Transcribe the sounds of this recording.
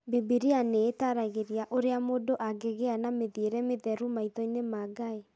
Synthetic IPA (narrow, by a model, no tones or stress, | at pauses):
bibiɾianeːtaɾaɣeɾiaʔoɾeamodoʔaɡeɣeanameðieɾɛmeðɛɾumaitɔinemaɡae